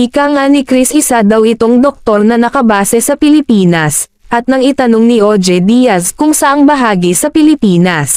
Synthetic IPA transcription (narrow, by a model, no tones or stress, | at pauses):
ʔɪkaŋanikɾisʔɪsad̪ɐwɪt̪o̞ŋd̪ok̚t̪o̞ɾnɐnɐkɐbaːsɛsɐpɪlɪpiːnɐs | ʔɐt̪̚nɐŋɪt̪ɐno̞ŋniʔod͡ʒɛd̪iːjɐskʊŋsɐʔaŋbɐɦaːɡisɐpɪlɪpiːnɐs